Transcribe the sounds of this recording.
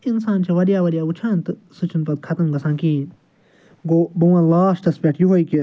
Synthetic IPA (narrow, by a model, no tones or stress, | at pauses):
insaːnt͡ʃʰɐʋɐɾjaːʋɐɾijaːut͡ʃʰãːnt̪ɨsut͡ʃʰunpɐd̪̚kʰɐt̪ɐmɡɐsãːnkĩːn | ɡoːbɐãːlaːsʈɐspʲeʈjuɦojki